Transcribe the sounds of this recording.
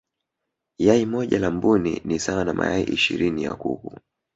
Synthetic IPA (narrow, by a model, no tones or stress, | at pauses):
jaimɔʄalambuninisawanamʔajaiʔiʃiɾinija̰kṵku